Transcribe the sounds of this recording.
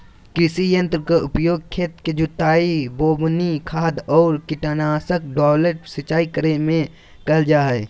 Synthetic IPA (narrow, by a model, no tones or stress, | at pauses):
kɪsijə̃nt̪ɾəkoʊpjoːɡ̚kʰːeːt̪ked͡ʒʊt̪aːiboːbnikʰaːd̪ɔːɾkɪʈanaːsək̚ɖɔːləʈ̚sət͡ʃːaːikəɾemẽ | kəld͡ʒaːe